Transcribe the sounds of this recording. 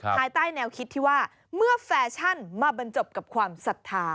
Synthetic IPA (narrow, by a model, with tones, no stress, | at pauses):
ppʰaː˧jt̪aː˥˩jnɛː˧wkʰi˦˥t̪ʰːiː˥˩waː˥˩ | mɯ˥˩ɐfɛː˧˦t͡ɕʰa˥˩nmaː˧ba˧nt͡ɕo˨˩p̚ka˨˩p̚kʰwaː˧msa˨˩t̪ʰːaː˧